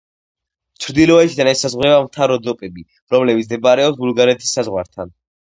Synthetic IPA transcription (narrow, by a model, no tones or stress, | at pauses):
t͡ʃʰɾd̪ilɔɛt̪ʰid̪anɛsazʁwɾɛbamt̪ʰaɾɔd̪ɔpʼɛbi | ɾɔmlɛbit̪zd̪ɛbaɾɛɔpsbulˠɡaɾɛt̪ʰi̥sːazʁwa̰ɾt̪ʰan